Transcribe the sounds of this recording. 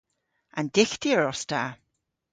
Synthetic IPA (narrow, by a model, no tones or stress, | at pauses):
andɪɬd̥iəɾɔsd̥aː